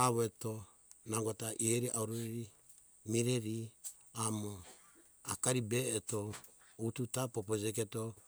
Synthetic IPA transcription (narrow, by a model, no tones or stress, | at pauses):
aβoeto | naɡotaʔieɾiʔauɾoɾeɾi | miɾeɾi | amo | akaɾibeːto | ututapopod͡ʒek̬eto